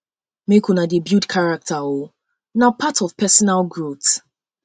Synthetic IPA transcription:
mekunadebjudkʰaɹak̚tʰao | napʰatɔvpʰɛsɔnalɡɹot

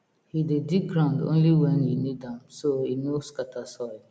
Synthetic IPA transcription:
hidediɡɹãndõ̰nliwɛ̃njinidãmsoinoskatʰasɔɪ

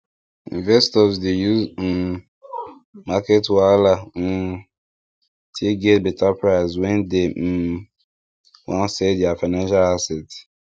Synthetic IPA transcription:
ḭ̃nvɛstɔsdejuz̩ | maketwala | tʰeɡɛtbɛtapɹaɪswɛ̃nde | wãnsɛdjafaɪnãnʃalasɛt

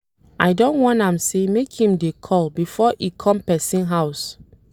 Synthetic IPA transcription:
ajdõnwɔ̃nãmsemekhĩmdekʰɔlbifɔʔikʰɔ̃mpɛsĩnɦaʊs

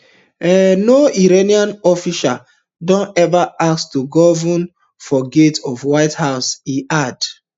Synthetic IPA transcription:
ɛnoiɹeniãnɔfiʃa | dɔ̃nɛvaakstuɡɔvũn | fɔɡetɔvwaɪthaʊsiʔad̥

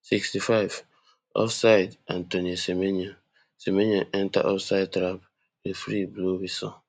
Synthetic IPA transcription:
sikstifaɪv | ɔ̰fsaɪdʔãntonisemenia | semenaʔɛ̃nta̰ʔɔfsaɪd̚tɾap | efɾiblowisɔ

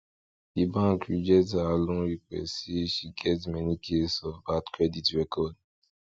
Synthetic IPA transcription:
dibãŋkɹid͡ʒɛtaːlõnɹik̚ɛ̰eʃiɡɛtmɛnikʰesɔvbatkɹɛditɹɛkʰɔd

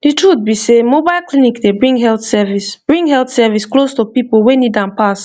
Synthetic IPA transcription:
d̥itɹut̪̚bisemobaɪlklinikdebɹĩŋɡɦɛlt̪sɛvisb̥ɹĩŋɦɛlt̪sɛvisklostupipolwenidãnpas

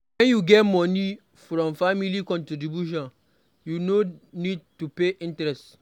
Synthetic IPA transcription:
wɛ̃njuɡɛtmɔ̃ni | fɾɔ̃mfamilikɔ̃ntedibuʃ̬ɔ̃n | junonid̚tupeʔĩntɹɛst

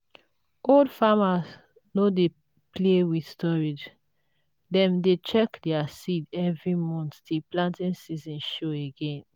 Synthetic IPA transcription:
oldfamaz | node | plewidstɔɹid͡ʒ | dɛ̃mdet͡ʃɛkdɛasidɛvɹimɔ̃nttʰiplãntĩnsizɔ̃nʃoeɡẽn

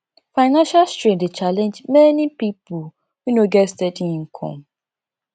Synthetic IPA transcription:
faɪnãnʃalstɹĩdet͡ʃalɛ̃nd͡ʒmɛnipipo | winoɡɛstedĩŋ̩kʰɔ̰̃m

